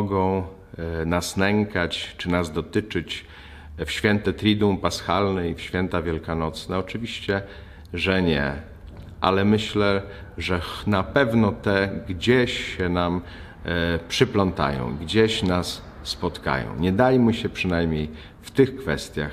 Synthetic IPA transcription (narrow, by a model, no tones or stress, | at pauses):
ɡɔ̃w̃ | nasnɛŋkat͡ɕt͡ʂɘnazd̪ɔt̪ɘt͡ʂɘt͡ɕ | fɕfʲjɛnt̪ɛt̪ɾʲid̪umpasxalnɛifɕfʲjɛnt̪avʲjɛlkanɔt̪snɛɔt͡ʂɘvʲiɕt͡ɕɛ | ʐɛɲɛ̰ | ʔa̰lɛmɘɕlɛ | ʐɛnapɛvnɔt̪ɛɡd͡ʑeɕɕɛnam | pʂɘplɔnt̪a̰jɔ̰̃w̃ɡd͡ʑeɕnasː | pɔt̪ka̰jɔ̰̃w̃ɲɛd̪ajmɘɕɛpʂɘnajmʲɲej | ft̪ɘxkfɛst̪ʲja̰x